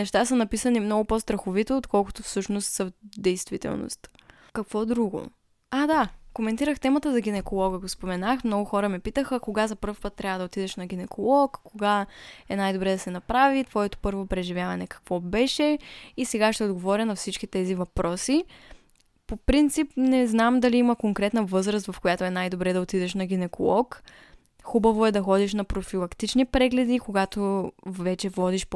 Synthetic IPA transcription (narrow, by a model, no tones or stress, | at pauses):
nɛʃt̪asənɐpisənimnɔɡʊpɔst̪ɾɐxovit̪oːt̪kʰɔlˠkʊt̪ofsɤʃnost̪səd̪ɛjst̪v̥it̪ɛ̰lˠno̰st̪ | kɐkvɔd̪ɾuɡo̰ | ad̪akomɛnt̪iɾəxt̪ɛmət̪əzɐɡ̟ʲinɛkolˠɔɡəɡospomɛnaxmnɔɡʊxɔɾəmɛpit̪əxəkoɡazɐpɤɾfpət̪ːɾʲavəd̪ɐot̪id̪ɛʃnɐɡ̟inɛkolˠɔkkːoɡaɛnajd̪obɾɛd̪ɐsɛnɐpɾavit̪vɔɛt̪o̥pɤɾvopɾɛʒivʲjavɐnɛkɐ̥kvɔbɛʃɛisɛɡaʃt̪ɛod̪ɡovɔɾʲənɐfsit͡ʃk̟it̪ɛzivɐpɾɔsi | popɾint̪sipnɛznamd̪ɐliimɐkoŋkɾɛt̪nɐvɤzɾəst̪vɐfkojat̪oɛnajd̪obɾɛd̪ɐot̪id̪ɛʃnɐɡ̟inɛko̰lˠɔk | xubɐvoɛd̪ɐxɔd̪iʃnɐpɾofilˠɐkt̪it͡ʃnipɾɛɡlɛd̪ikoɡat̪ovɛt͡ʃɛvɔd̪iʃp